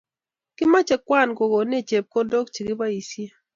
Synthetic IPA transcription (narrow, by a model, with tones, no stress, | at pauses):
kɪ˦ma˦t͡ʃɛ˨kwa˦˨nko˨ɡo˨ne˦˨t͡ʃe˨p̚ko˦do˦kt͡ʃi˨ɡɪ˦ba˦i˨sje˦